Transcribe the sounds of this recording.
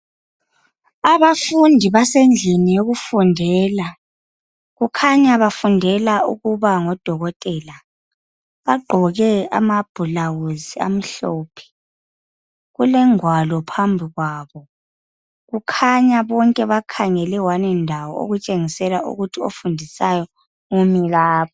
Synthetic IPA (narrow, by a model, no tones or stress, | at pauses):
aβafundʱiβasend͡ɮʱinijoɣufundʱɛːla | ɣukʰaɲaβafundʱɛlaṵɣuβaŋɔd̥ʱɔɣɔtʼɛːla | βaɡ͡ǃʱɔɣɛa̰mab̥ʱulawuzia̰m̩ɬɔːpʰɛ̥ | ɣulɛŋwalɔpʰambʱiɣwaːβɔ | ɣukʰaɲaβɔŋkʼɛβakʰaŋɛlɛwanɛndʱawɔo̰ɣut͡ʃʼeŋisɛlaʔṵɣutʰio̰fundʱisajɔ | ŋumilaːβʰɔ